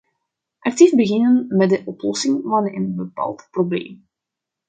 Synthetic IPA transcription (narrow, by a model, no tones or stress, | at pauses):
ʔɑk̚tifbəɣɪnənmɛdəʔɔplɔsɪŋvɑnənbəpa̰ːlˠtproblḛːm